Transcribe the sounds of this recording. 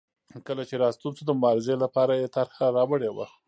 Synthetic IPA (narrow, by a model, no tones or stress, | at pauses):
kəlat͡ʃeɾɑst̪unzod̪əmʊbɑɾɪzelapɑɾajet̪aɾhaɾɑwəɽewa̰